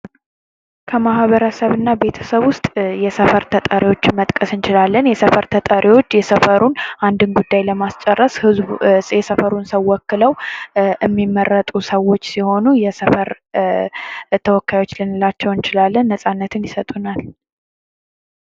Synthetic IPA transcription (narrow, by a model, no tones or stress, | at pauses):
kʰəmahβəɾəsəβɨnːabe̞t̪ʰə̥səβwʊst̪ʼjɛsəfəɾt̪ʰət̪ʼəɾiwo̞t͡ʃːɪmət̪ʼkʼəsɨnt͡ʃɪlalːənjɛsəfəɾt̪ʰət̪ʼəɾʔiwo̞t͡ʃːjɛsəfəɾunʔand̪ɨnɡud̪ːajləmast͡ʃʼɛrːəshɨzbsʼjɛsəfəɾunsəwwːɔkːɨləwʔɨmːimːərːət̪ʼusəwo̞t͡ʃːsiho̞nujɛsəfəɾ | t̪ʰəwɔkːajo̞t͡ʃːlɨnɨlat͡ʃːɛwɨnt͡ʃɪlalːənːəsʼanːət̪ʰɨnjɪsət̪ʼunal